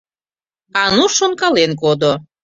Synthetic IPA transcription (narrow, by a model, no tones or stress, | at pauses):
ɑnuʃonkɑlenk̬od̪o